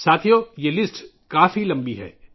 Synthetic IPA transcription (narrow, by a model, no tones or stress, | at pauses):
saːt̪ʰijojelɪsʈ | kaːfilɐ̃mbiɦɛ̰ː